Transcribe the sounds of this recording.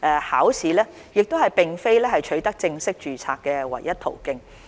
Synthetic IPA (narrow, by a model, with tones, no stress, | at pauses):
ʔɛː˧haː˨˥wsiː˨˥lɛː˥ | jɪ˨k̚t̪o˥whɐ˨jpɪ˨ŋfe˥jlɛː˥hɐ˨jt͡ʃʰɵ˨˥ɥt̪ɐ˥k̚t͡sɪ˧ŋsɪ˥k̚t͡ʃyː˨t͡sʰaː˧kkːɛː˧wɐ̰˨˩jːɐ˥t̚t̪ʰo̰˨˩wkɪ˧ŋ